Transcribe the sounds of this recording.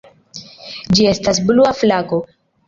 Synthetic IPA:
d͡ʒie̞stasbluaflaɡo̞

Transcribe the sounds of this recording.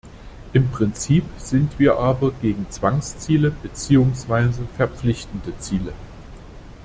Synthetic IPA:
ʔɪmpʁ̥ɪnt͡siːpz̥ɪntv̥iːɐʔaːbɐɡeːɡŋ̩t͡sv̥aŋst͡siːləbət͡siːʊŋsv̥aɪzəfɛɐp͡flɪçtn̩dət͡siːlə

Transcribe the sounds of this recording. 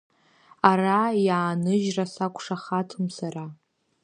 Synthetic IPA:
arajaːnɨʒrasakʷʰʼʂaχatʰɨmsara

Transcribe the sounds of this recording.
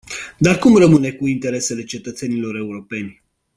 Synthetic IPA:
d̪arkumrəmɨne̞kuint̪e̞ɾe̞se̞le̞t͡ʃe̞t̪ət̪se̞nilo̞ɾe̞uɾo̞pe̞nʲ

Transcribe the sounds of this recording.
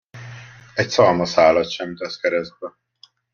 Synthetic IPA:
ɛc̚sɒːmɒsaːlɒt̪ʃɛmit̪ɛskɛɾɛst̪ʋɛ

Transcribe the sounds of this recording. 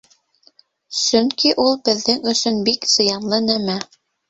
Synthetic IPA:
sɵŋkiʔulˠbɘ̆ðːɘŋɵ̆sɵnbikz̥ɤ̆jɑnlˠɤnæmæ

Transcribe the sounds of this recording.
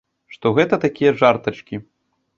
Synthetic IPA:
ʂt̪ɔɣɛt̪ɐt̪akʲijɐʐart̪ɐt͡ʂkʲi

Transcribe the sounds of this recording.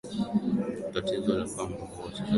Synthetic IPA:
tatizɔlapambɔkɔsaa

